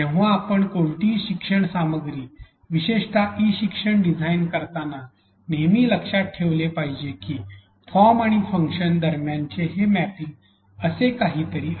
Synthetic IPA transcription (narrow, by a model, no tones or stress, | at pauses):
t̪ẽʋ̃ʋaːpəɳkoɳʈiːɕikʂəɳsaməɡɾiː | ʋiɕeʂʈʰaʔiɕikʂəɳɖid͡zʱainkəɾt̪ana | nemiːləkʂat̪̚ʈʰeʋlepaɦid͡ʑekiː | fɔɾmaɽ̃ifəŋkʂənd̪əɾmjaɲt͡ɕeɦemæpi | əsekaɦiːt̪əɾiː